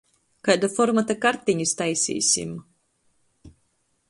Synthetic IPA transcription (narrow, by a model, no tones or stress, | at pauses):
kajd̪afɔɾmat̪akaɾt̪iɲist̪ajsʲḭːsʲḭm